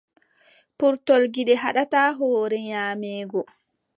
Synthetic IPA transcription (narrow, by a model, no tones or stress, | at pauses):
puɾtɔlɡiɗɛɦaɗataːɦɔːɾɛɲaːmɛːɡɔ